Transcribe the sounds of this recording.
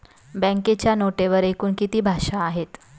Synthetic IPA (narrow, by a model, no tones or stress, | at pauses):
bɛ̃ŋket͡ɕjanoʈeʋəɾekuːnkit̪iːbʱaʂaːɦet̪